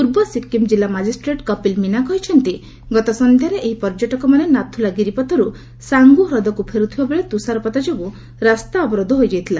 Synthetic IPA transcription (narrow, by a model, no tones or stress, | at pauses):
puɾbɔsipkimd͡ʒilamad͡ʒisʈɾeʈkɔpilminakɔɦit͡ʃʰɔnt̪i | ɡɔt̪ɔsɔnd̪ʱjaɾeʔeɦipɔɾd͡ʒɔʈɔkɔmanenat̪ʰːulaɡiɾipɔt̪ɔɾu | saŋɡuɦɾɔd̪ɔkupʰeɾut̪ʰibabeɭet̪usaɾɔpɔt̪ad͡ʒɔbu | ɾast̪aɔbɔɾɔd̪ʱɔɦojd͡ʒajt̪ʰila